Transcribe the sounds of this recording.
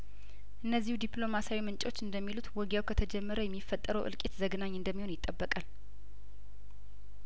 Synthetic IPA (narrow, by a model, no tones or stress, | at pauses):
ʔɨnːəzːihud̪iplo̞masawimɨnt͡ʃʼo̞t͡ʃːɨnd̪əmːilut̪wɔɡjawkʰət̪ʰəd͡ʒɛmːəɾəjɛmːifːət̪ʼːəɾəwʔɨ̰lkʼet̪zəɡənaɲːɨnd̪əmːiho̞njɪt̪ʼːəbːəkʼal